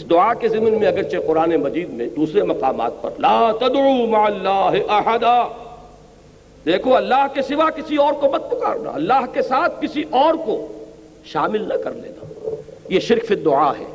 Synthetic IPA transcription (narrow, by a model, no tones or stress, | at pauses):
ɪsd̪ʊʕakezɪmnmẽɐɡəɾt͡ʃeqʊɾaːnemɐd͡ʒiːd̪mḛ̃d̪uːsɾemɐqaːma̰ːt̪̚pɐ̰ɾlaːt̪ɐd̪ʕuːmaʕalːaːɦɪʔɐħad̪aː | d̪eːkʰoɐlːaːɦkesɪʋakɪsiɔːɾkomɐd̪̚p̪ʊka̰ːɾna̰ɐlːaːɦkesaːt̪̚ʰkɪsiʔɔːɾko | ʃaːmɪlnɐkɐɾlḛːna̰ːjeʃɪɾkfɪd̪ʊʕaɦɛ̰ː